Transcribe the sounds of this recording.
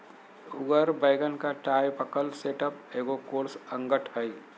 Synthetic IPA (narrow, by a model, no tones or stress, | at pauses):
ʊɡəɾbəːɡənkaʈaːjpəkəlseːʈəpeːɡokoːɾsə̃ŋɡəʈʰɦəi